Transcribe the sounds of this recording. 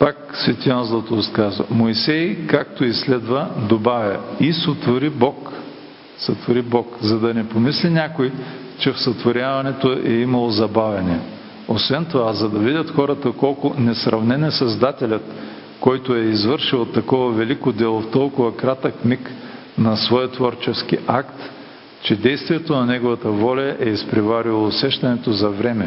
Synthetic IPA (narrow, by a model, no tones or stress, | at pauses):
paksvɛt̪ʲianzlˠɐt̪oskazvɐ̰moisɛjkak̚t̪oislɛd̪vɐd̪obavʲjɐisot̪voɾibɔk | sɐt̪voɾibɔkzɐd̪ɐnɛpomislʲinʲakoj | t͡ʃɛfsɐt̪voɾʲavɐnɛt̪oʔɛimɐlˠozɐbavʲɐni | osvɛnt̪ovazɐd̪ɐvid̪ʲət̪xɔɾɐt̪əkɔlˠkʊnɛsɾʔɐvnɛnɛsɐzd̪at̪ɛlʲɐt̪ | kɔjt̪oɛizvɤɾʃilˠot̪ːɐkɔvɐvɛlikod̪ɛlˠoft̪ɔlˠkʊvɐkɾat̪əkmik | nɐsvɔjət̪vɔɾt͡ʃɛsk̟iʔakt̪ | t͡ʃɛd̪ɛjst̪vijɛt̪onɐnɛɡovɐt̪əvɔlʲɐʔɛispɾɛvaɾilˠoːsɛʃt̪ɐnɛt̪ozɐvɾɛmɛ